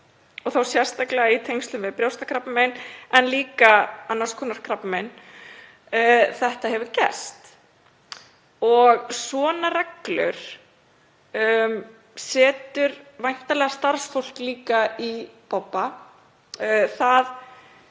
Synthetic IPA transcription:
ɔɣθawsjɛr̥st̪aklɛɣait̪ʰejŋst̪ʏmvɪpɾjawst̪akʰɾapnmɛnɛnliːkaanːaskʰɔːnaɾ̥kʰɾapnmɛn | θɛht̪aɦɛvʏɾcɛ̰st̪ | ɔɣsvɔːnarɛklʏ̰ɾ̥ | m | sɛːt̪ʏɾvajn̥t̪alɛɣast̪aɾ̥sfowl̥kliːkaipɔpːa | θað

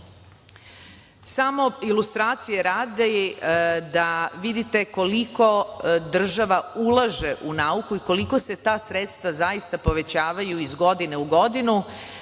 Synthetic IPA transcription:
samo̞ilust̪ɾaːt̪sijeɾaːd̪e | d̪aʋid̪it̪e̞ko̞liko̞d̪r̩ʒaʋaulˠaʒe̞ʔunaukuiko̞liko̞se̞t̪aːsɾet̪st̪ʋazaist̪apo̞ʋe̞t͡ɕaːʋajuizɡo̞d̪ine̞uɡo̞d̪inu

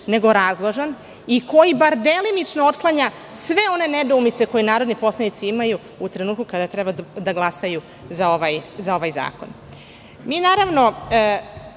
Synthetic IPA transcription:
ne̞ɡo̞ɾazlˠoʒan | iko̞jibaɾd̪e̞linit͡ʃnoot̪klˠaɲa | sʋe̞o̞ne̞ne̞d̪oumit̪se̞ko̞jenaːɾo̞d̪nipo̞slanit̪siimaju | ut̪ɾe̞nuːt̪̚kukad̪at̪ɾebad̪aɡlˠasaju | zao̞ʋajzao̞ʋajza̰ːko̞̰n | miːnaːɾaʋno̞

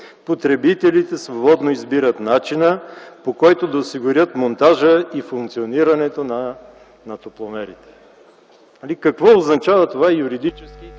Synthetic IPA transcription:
pot̪ɾɛbit̪ɛlit̪ɛsvobɔd̪noizbiɾət̪nat͡ʃinəpokɔjt̪od̪ɐosiɡʊɾʲjət̪mont̪aʒəifuŋk̚t̪sioniɾɐnɛt̪onɐ | nɐt̪oplˠomɛɾit̪ɛ̥ | alikɐkvɔoznɐt͡ʃavɐt̪ovaɛjuɾid̪it͡ʃɛskʲi

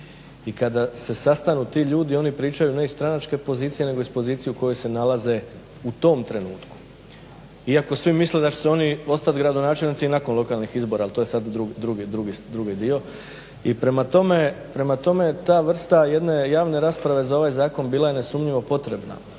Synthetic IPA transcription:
ikad̪ase̞sast̪anut̪iʎuːd̪io̞nipɾiːt͡ʃajune̞ist̪ɾanat͡ʃke̞po̞ziːt̪sije̞ne̞ɡo̞ispo̞ziːt̪sijuko̞jojse̞nalaze̞ | ut̪o̞ːmt̪ɾe̞nuːt̪ku̥ | iako̞sʋimisled̪at͡ʃeseo̞nio̞st̪at̪ɡɾad̪o̞naːt͡ʃelnit̪sinako̞nlˠo̞kaːlˠnixizbo̞ɾaːlˠt̪ojesad̪d̪ɾuɡd̪ɾuɡid̪ɾuɡid̪ɾuɡid̪io̞ | ipɾe̞mat̪ome̞pɾe̞mat̪o̞me̞jet̪aːʋr̩st̪aje̞d̪ne̞jaːʋne̞ɾaːspɾaʋe̞zao̞ʋajzaːko̞nbiːlˠajene̞sumʎiʋo̞po̞t̪ɾe̞bna̰

